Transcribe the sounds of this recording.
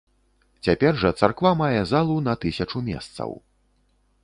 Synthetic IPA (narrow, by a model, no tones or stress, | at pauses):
t͡sʲapʲɛrʐɐt̪sarkvamajɛzalˠunɐt̪ɨsʲɐt͡ʂumʲɛ̰st̪sɐ̰w